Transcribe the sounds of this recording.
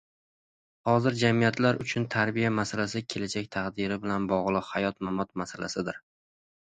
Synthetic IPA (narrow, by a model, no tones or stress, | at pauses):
hɒzɪɾd͡ʒamijat̪laɾʊt͡ʃʰʊnt̪ʰaɾbijamasalas̬ɪkʲʰe̞lad͡ʒak̚ʲt̪ʰaʁd̪ɪɾɪbɪlanbɒʁlˠɨqhajɒt̪mamɒt̪masala̰sɪd̪ɪɾ